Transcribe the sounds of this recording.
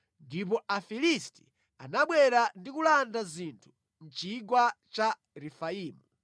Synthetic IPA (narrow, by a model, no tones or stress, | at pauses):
ndip̬ɔʔafilisti̥ | a̰naɓwɛɾandikulandazintʰu̥ | n̩t͡ʃiɡwat͡ʃa | ɾɛfaiːmu